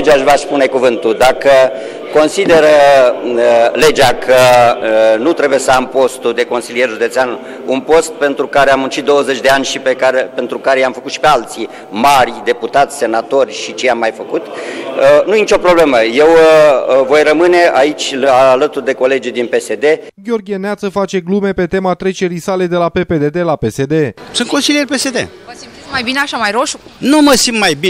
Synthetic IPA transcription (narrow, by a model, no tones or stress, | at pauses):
d͡ʒaʃvaspunejkuvɨnt̪ud̪akə | ko̞nsid̪e̞ɾə | le̞d͡ʒakʰə | nut̪ɾe̞bujesəampo̞st̪ud̪e̞ko̞nsilie̞rʒud̪e̞t̪sean | unpo̞st̪̚pe̞nt̪ɾukaɾeamunt͡ʃit̪̚d̪owəze̞t͡ʃʲd̪e̞anʲʃipekaɾepe̞nt̪ɾukaɾejamfəkut̪ʃi̥pe̞alt̪si | marʲd̪e̞put̪at̪sʲse̞nat̪o̞rʲʃit͡ʃejamːajfəkut̪ənujenit͡ʃʲo̞pɾo̞ble̞məje̞w | vo̞jrəmɨne̞ait͡ʃʲlalət̪urd̪e̞ko̞le̞d͡ʒujd̪inpe̞se̞d̪e̞ɡʲo̞rɡʲieneat̪səfat͡ʃe̞ɡlume̞pe̞t̪e̞mat̪ɾe̞t͡ʃe̞ɾisale̞d̪e̞lape̞pe̞d̪e̞d̪e̞lape̞se̞d̪e̞sɨnt̪ko̞nsilierʲpe̞se̞d̪e̞̰ | iimajbineaʃamajɾo̞ʃunuməsimbmajbi